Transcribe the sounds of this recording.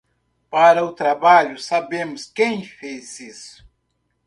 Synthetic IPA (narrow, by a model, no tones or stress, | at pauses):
paɾɐʊt̪ɾabaʎʊsabẽmʊskẽj̃fezisʊ̥